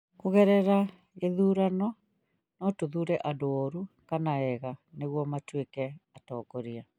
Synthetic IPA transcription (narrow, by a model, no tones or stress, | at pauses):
koɣɛɾɛɾa | eðuːɾanɔ | nɔtoðuɾɛʔadooɾukanaɛɣaneɣwɔmatwekɛatɔːkɔɾia